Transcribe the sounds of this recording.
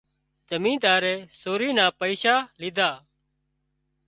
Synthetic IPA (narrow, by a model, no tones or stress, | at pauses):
d͡ʒəmĩːd̪aːɾɛːsoːɾiːnãːpəiːʃaːlɪd̪ʱaː